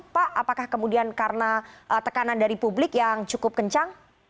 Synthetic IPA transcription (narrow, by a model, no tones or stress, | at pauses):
paʔapakahkəmudiankaɾənaʔət̪əkanandaɾipublɪkjaŋt͡ʃukʊp̚kəɲt͡ʃaŋ